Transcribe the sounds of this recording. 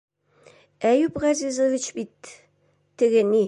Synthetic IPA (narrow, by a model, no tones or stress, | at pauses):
æjupʁɑzʲizovit͡ɕbit̪ː | ɘ̆ɡɘ̆ni